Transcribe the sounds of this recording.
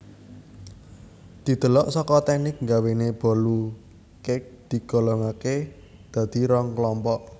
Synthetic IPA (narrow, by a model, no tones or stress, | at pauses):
d̪̥i̤d̪̥ə̤lɔʔsɔkɔt̪ɛnɪk̚ŋɡaweneb̥ɔ̤lu | kɪk̚d̪̥i̤ɡ̥ɔ̤lɔŋake | d̪̥ä̤d̪̥i̤ɾɔŋklɔmpɔʔ